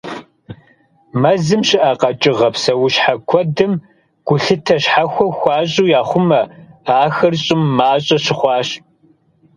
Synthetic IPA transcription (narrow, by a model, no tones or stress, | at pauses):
mɐzɨmɕɪʔɐqɐt͡ʃʼɪʁɐpsɐwʊɕħakʷʰɔdɨm | ɡ̥ʷʊɬɨtʰɐɕħaxʷɔxʷɑːɕʼuːjaːχʷʊmɐaːxɐrɕʼɪmːaːɕʼɐɕɪχʷɑːɕ